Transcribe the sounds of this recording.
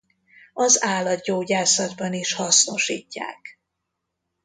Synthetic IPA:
ɒzaːlɒt̪ɟoːɟaːsɒd̪bɒniʃhɒsno̞ʃḭːcːa̰ːk

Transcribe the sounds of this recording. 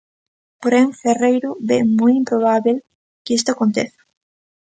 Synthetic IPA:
poɾeɱferejɾoβemujimpɾoβaβel | kest̪oakont̪eθo̥

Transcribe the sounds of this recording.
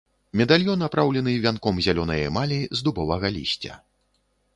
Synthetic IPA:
mʲɛd̪alʲjɔnapɾawlʲɛn̪ɨvʲankɔmzʲalʲɔnɐjɐ̰malʲizd̪ubɔvɐɣɐlʲḭsʲt͡sʲɐ̰

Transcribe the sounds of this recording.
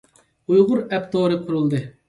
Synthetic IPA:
ujʁʊɾɛp̚t̪ʰoːɾɨqʰʊɾulˠd̪ɨ

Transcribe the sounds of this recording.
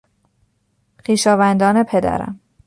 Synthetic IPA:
xiːʃɒːvænd̪ɒːne̞pʰed̪æ̰ɾæ̰m

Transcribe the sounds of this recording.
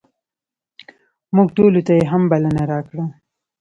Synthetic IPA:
muɡ̚ʈolot̪ajeɦambalənaɾɑkɽa

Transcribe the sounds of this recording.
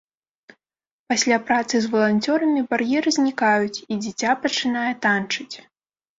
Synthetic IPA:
pasʲlʲapɾat̪sɨzvɐlˠanʲt͡sʲɔɾɐmʲibarjɛɾɨzʲnʲikajut͡sʲid͡zʲit͡sʲapɐt͡ʂɨnajɛt̪ant͡ʂɨt͡sʲ

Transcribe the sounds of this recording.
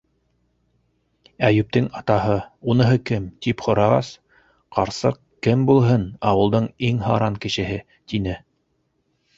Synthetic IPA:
æjʉp̚t̪ɘŋɑt̪ɑɦɤunɤ̆ɦɤkɘmt̪ipχŏɾɑʁɑs | qɑɾsɤq | kɘmbulˠɦɤnɑwɤ̆lˠd̪ɤɴiŋɦɑ̰ɾɑŋkɘ̆ʃɘ̆ɦɘ | t̪inɘ

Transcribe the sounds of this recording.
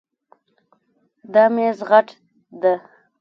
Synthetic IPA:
d̪ɑmezɣaʈ | d̪a

